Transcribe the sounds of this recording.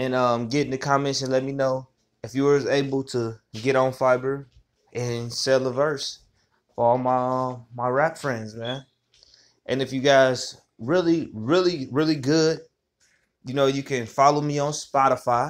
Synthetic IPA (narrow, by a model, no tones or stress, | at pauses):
ɨ̃nʌ̃mɡɛɾɪ̃ŋɨkʰə̃mɪ̃ʃɨ̃nlɛt̚minoʊ | ɨfjɨəə˞zeɪbl̩ˠtʰəɡɛɾn̩faɪbə˞ | ʔɪ̃nsɛlˠəvɜ˞s | fə˞ɔlˠmaɪmaɪɹæpfɹɛ̃ndzmæ̃n | ʔɨ̃nɨfjɨɡaɪz | ɹɪlˠiɹɪlˠiɹɪlˠiɡʊd̥̚ | jɨnoʊjɨkʰɨ̃nfɑlˠoʊmiə̃nspɑɾəfaɪ